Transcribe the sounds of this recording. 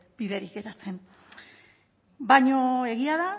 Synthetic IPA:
b̥iðeɾike̞ɾat͡se̞n | baɲoe̞ɣiaða

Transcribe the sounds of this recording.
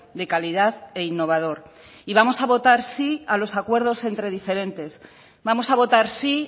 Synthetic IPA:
d̪e̞kaliðaðe̞inːo̞β̞að̞o̞ɾ | iβamo̞saβo̞t̪aɾsialo̞sakwe̞ɾð̞o̞se̞nt̪ɾe̞ð̞ife̞ɾe̞nt̪e̞s | βamo̞saβ̞ot̪aɾsi

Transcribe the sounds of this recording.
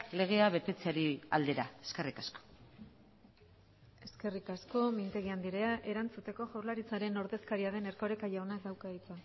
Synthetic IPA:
le̞ɣ̞e̞aβe̞t̪e̞t͡seaɾia̰ld̪e̞ɾaeske̞rikasko̥ | e̞ske̞rikasko̞mint̪e̞ɣiand̪iɾe̞aʔe̞ɾant͡sut̪e̞ko̞ʝawɾlaɾit͡saɾe̞no̞ɾðe̞skaɾiað̞e̞ne̞ɾko̞ɾe̞kajaonak̚d̪awkait͡sa

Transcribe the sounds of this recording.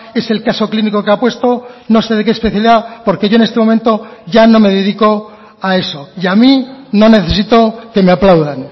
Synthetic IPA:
e̞se̞lkaso̞kliniko̞keapwe̞st̪o̞no̞se̞ðe̞kespeθjaliðapo̞ɾke̞ʝo̞e̞ne̞st̪e̞mo̞ment̪o̞ʝano̞me̞ðe̞ðiko̞ | ae̞so̞iamino̞ne̞θe̞sit̪o̞ke̞meaplawðan

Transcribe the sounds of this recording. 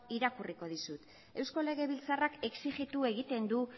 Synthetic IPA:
iɾakuriko̞ð̞isut̪ | e̞wsko̞le̞ɣe̞βilt͡sarake̞ksiɣit̪ue̞ɣit̪e̞nd̪u

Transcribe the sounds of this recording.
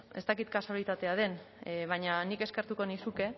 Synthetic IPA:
e̞st̪akit̪kasalit̪at̪e̞að̞e̞n | βaɲanike̞ske̞ɾt̪uko̞nisuke̞

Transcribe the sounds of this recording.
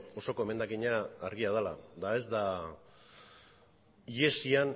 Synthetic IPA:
o̞so̞ko̞eme̞nd̪akiɲaːɾɣiað̞alad̪ae̞zd̪a | ie̞sian

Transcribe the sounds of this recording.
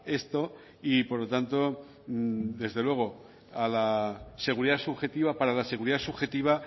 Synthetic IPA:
e̞st̪o̞ | ipo̞ɾlo̞t̪ant̪o̞ | d̪e̞zðe̞lwe̞ɣ̞o̞ | alase̞ɣ̞uɾiðasuβxe̞t̪iβapaɾalase̞ɣ̞uɾiðasuβxe̞t̪iβ̞a

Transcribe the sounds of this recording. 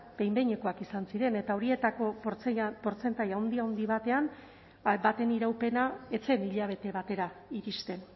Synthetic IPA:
b̥e̞jmbe̞ɲe̞ko̞akisansiɾe̞ne̞t̪ao̞ɾie̞t̪ako̞pɾt͡spo̞ɾt͡se̞nt̪ajawnd̪iaond̪iβat̪e̞an | bat̪e̞niɾawpe̞nae̞t͡se̞niʎaβ̞e̞t̪e̞βat̪e̞ɾaiɾist̪e̞n

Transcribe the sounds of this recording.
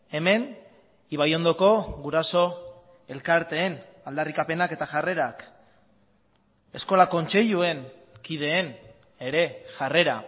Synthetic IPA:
e̞me̞n | iβajo̞nd̪o̞ko̞ɣuɾaso̞ | e̞lkaɾt̪e̞ːn | ald̪arikape̞nake̞t̪aʝare̞ɾak | e̞sko̞lako̞nt͡ʃe̞ʎue̞nkið̞e̞ːn | e̞ɾe̞ʝare̞ɾa̰

